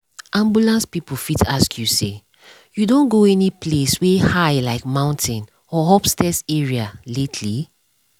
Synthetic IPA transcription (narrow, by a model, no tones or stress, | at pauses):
ʔãmbjulãnspipufitaskʰjuse | judõnɡoɛnipleswehaɪlaɪkmãʊ̃ntʰĩn | ɔɦɔpstɛsɛɹialetʰli